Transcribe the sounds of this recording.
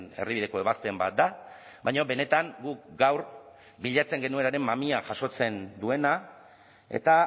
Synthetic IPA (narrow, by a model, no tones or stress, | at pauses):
ne̞̰riβið̞eko̞e̞βaspe̞mba̰t̪̚d̪a | bajɲo̞be̞ne̞t̪aŋɡuk̚ɡawɾ | biʎat͡se̞ŋɡenue̞naɾe̞mːamiaʝaso̞t͡se̞nd̪ue̞na | e̞̰t̪a